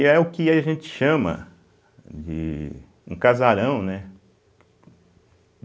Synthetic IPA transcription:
ɛʊkɪaʒẽt͡ʃɪ̥ʃɐ̃mɐ̰ | d͡ʒɪ̰ | ṵ̃kazaɾɐ̃w̃nɛ

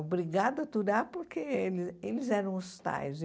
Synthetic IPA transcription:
bɾiɡad̪ʊɐt̪uɾapoɾkʰelɪelɪzɛɾɐ̃w̃ʊst̪a̰jz

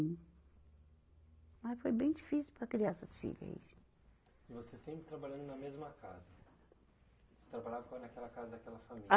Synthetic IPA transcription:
mɐsfojbẽj̃d͡ʒifisiwpɾɐkɾiasɐsfḭʎɐ̰ḭ | ɪvosesẽmpɾɪt̪ɾabalʎɐ̃nd̪ʊnɐmezmɐka̰zɐ | ose̥t̪ɾabaʎavɐknakɛlɐkazɐd̪ɐkɛlɐfami

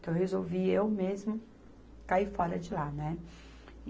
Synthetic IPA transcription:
t̪ɐ̃ww̃ɦezowviewmezmʊ | kaifɔɾɐd͡ʒɪlanɛ

